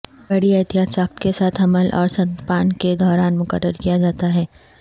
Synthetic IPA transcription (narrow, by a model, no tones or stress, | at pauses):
bɐɽiɐt̪ijaːt̪saːk̚t̪kesaːt̪ʰɦɐməlʔɔːɾsɐ̃nt̪paːnked̪ɔːɾaːnmʊkəɾːəɾkijad͡ʒaːt̪aɦɛː